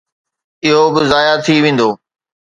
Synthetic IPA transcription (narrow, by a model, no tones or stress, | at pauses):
ɪɦobɪzaːjat̪ʰiʋẽːn̆d̪oː